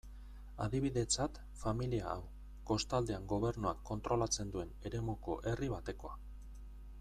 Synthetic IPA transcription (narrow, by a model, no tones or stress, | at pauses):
a̰ðiβ̞iðe̞t͡sat̪ | familia̰ːw | ko̞st̪ald̪e̞aŋɡo̞β̞e̞ɾnuakʰːo̞nt̪ɾo̞lat͡se̞nd̪ue̞ne̞ɾe̞muko̞̰ʔe̞riβat̪e̞ko̞a